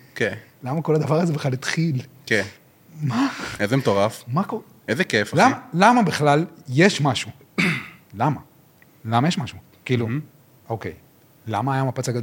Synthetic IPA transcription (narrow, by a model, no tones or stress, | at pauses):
kelamako̞lad̪avaʁazebeχalit̪χil | ke | maezemt̪oʁafmako | ezekeflamalamabiχlalje̞ʃmaʃu | lama | lamajeʃmaʃu | kiːlu | ʔokḛj | la̰maːjamapat͡saɡad̪o